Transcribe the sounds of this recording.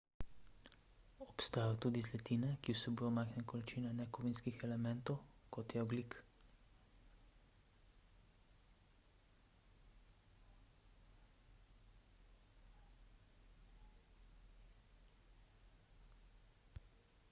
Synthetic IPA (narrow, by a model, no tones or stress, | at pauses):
ɔpst̪aːjɔt̪ud̪izlɛt̪inɛkiwsɛbujɔmajxnɛkɔlit͡ʃiːnɛnɛkɔʋinskixɛlɛmɛnt̪ɔwkɔt̪jɛɔɡlik